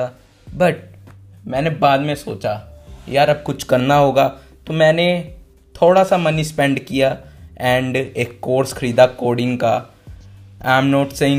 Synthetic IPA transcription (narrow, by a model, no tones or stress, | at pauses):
a | bɐʈ̚ | mɛ̃ːnebaːd̪mẽso̰ːt͡ʃajaːɾɐb̚kʊt͡ʃʰkɐɾnaɦoːɡaː | t̪omɛ̃ːne | t̪ʰoːɽasamɐnispɛ̃ɳɖkijaɛ̃ːɳɖeːkːoːɾskʰɐɾiːd̪akoːɽɪ̃ŋɡka | aːɪmnɔːʈseɪ̃